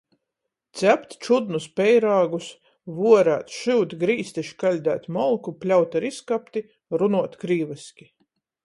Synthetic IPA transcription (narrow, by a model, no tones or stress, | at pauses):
t̪sʲæpt̪t͡ʃud̪nuspɛjɾaːɡus | vuɔɾa̰ːt̪ʃuwt̪ɡɾiːst̪iʃkalʲd̪æ̰ːt̪ʲmɔlˠkuplʲawt̪ʲaɾiskapt̪i | ɾunuɔt̪kɾiːvɨsʲkʲi